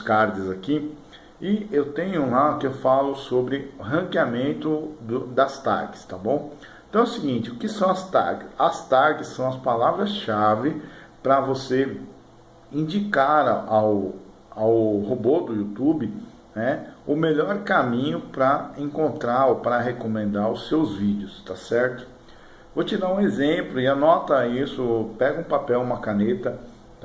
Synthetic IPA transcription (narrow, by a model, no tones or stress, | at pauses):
ʊskaɾd͡ʒɪzaki | ɪewt̪ẽɲʊũlakɪewfalʊsobɾɪʊɦɐ̃kɪamẽnt̪ʊd̪ʊd̪ɐst̪a̰ɾkɪ̥st̪abõw̃ | t̪ɐ̃w̃ɛʊsɪɡĩnt͡ʃɪʊkɪsɐ̃w̃ɐst̪a̰ɾkɪsɐst̪aɾkɪsːɐ̃w̃ɐspalavɾɐsʃavɪpɾɐvose | ĩd͡ʒikaɾaw | awhobod̪ʊiut̪ubɪ | nɛʊmeʎɔɾkamĩɲʊpɾɐẽŋkõnt̪ɾaɾopɾɐɦekomẽnd̪aɾʊsːewzvid͡ʒɪʊst̪asɛɾt̪ʊ̥ | vot͡ʃɪd̪aũezẽplʊɪanɔt̪ɐisʊpɛɡɐũpapɛwũmɐkanet̪ɐ